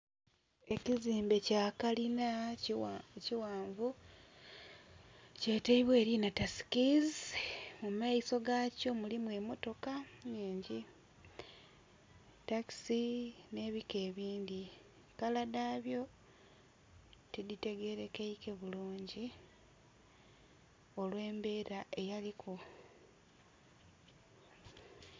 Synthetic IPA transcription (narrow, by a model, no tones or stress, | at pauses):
e̞ciziːmbe̞caːkalina | ciwaːɱvu | ce̞ːteiβwe̞ːɾinatasi̥kizmumaiso̞ɡaco̞mulimwe̞mo̞to̞kaɲiːɲɟi | taki̥sine̞ːβike̞ːβiːndi | kaladaːβjo̞ | tidite̞ɡe̞ɾe̞keike̞βuluːɲɟi | o̞lwe̞ːmbe̞ːɾaʔe̞jalikʰu